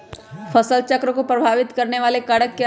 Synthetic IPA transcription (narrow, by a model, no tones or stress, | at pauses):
fʰɐsəlt͡ʃɐkɾəkopɾɐbʱaːʋɪt̪kɐɾneʋaːlekɐɽəkːe